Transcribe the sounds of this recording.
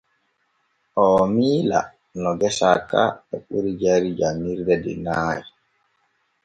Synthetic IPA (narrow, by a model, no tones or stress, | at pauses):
ʔɔːmiːla̰ | nɔɡɛsaka̰ɓɛɓuɾid͡ʒaɾid͡ʒamːiɾdɛdɛ̰naːji